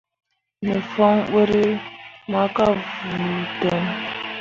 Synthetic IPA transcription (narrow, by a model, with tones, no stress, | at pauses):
me˨fɔ˦ŋwe˦ɾi˦ma˨˦ka˦˨vuu˨tɛ˨˦m